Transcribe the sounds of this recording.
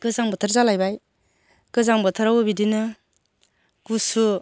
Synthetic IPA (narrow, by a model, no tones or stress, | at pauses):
ɡ̥ɯzaŋbɔtʰɯɾzalajbaj | kɯzaŋbɯtʰɯɾawbidinɯ | ɡ̥usu